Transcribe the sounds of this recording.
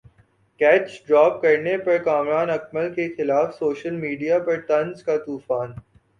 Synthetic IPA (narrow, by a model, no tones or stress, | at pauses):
kɛːt͡ʃɖɾaːp̚kɐɾnepɐɾkaːmɾaːnɐk̚məlkexɪlaːfsoːʃəlmiːɖijapɐɾt̪ɐ̃nzkat̪uːfaːn